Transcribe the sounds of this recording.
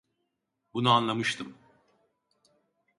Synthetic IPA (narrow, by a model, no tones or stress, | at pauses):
bunuanlˠamɯʃt̪ʰɯm